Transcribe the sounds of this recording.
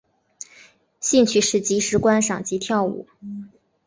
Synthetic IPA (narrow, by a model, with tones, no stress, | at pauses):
ɕi˥˧nt͡ɕʰy˥˩ʂɻ̩˥˩t͡ɕi˧˥ʂɻ̩˧˥kwa˥nʂɑ˨˩ŋt͡ɕi˧˥t̪ʰjɑ˥˩ʊṵ˨˩˦